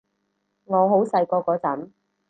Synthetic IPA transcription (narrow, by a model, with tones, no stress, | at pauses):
ŋɔː˨˧ɦo˨˥wsɐ˧jkɔː˧kɔː˧t͡sɐ˨˥m